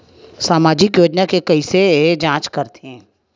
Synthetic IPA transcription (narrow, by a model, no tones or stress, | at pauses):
saːmaːd͡ʒɪkjoːd͡ʒnakekɐised͡ʒãːt͡ʃkɐɾt̪ʰeɦɛ̃ː